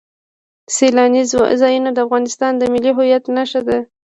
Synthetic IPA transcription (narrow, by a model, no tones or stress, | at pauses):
selɑnizɑjunod̪əafɣɑnɪst̪ɑnd̪əmɪliɦʊjat̪naʃad̪a